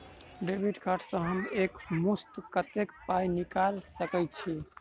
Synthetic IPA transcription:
ɖebʱiɖkʰaɾʈʰsə̃ɦəmekmust̪kət̪ekpajnikalsəkɛjt̪t͡ʃʰi

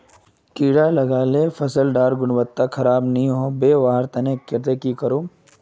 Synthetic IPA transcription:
kiːɽalɐɡaːlefʰɐsəlɖaːɾɡʊɽʋət̪ːakʰɐɾaːbnɐɦĩɦoːbeːʋaːɦəɾt̪ɐnekɪt̪ekikɐɾoː

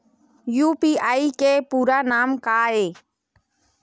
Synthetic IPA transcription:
juːpiːaːikeːpuːɾaːnaːmkaːeː

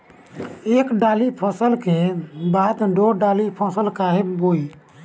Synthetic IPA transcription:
ekɖalipʰəsəlkebad̪ɖoɖalipʰɔsəlkaɦeboi

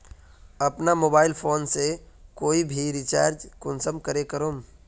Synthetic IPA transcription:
ɐpnamoːbaːɪlpʰoːnse | koːibʱiɾɪt͡ʃa̰ːɾd͡ʒkʊnsəmkəɾekɐɾoːm

